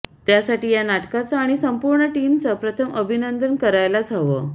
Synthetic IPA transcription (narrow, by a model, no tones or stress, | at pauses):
t̪jasaʈiːjanaʈkat͡saːɽ̃isəmpuɾɳəʈiːmt͡sapɾət̪ʰəmʔəbʱinənd̪ənkəɾajlad͡zʱaʋə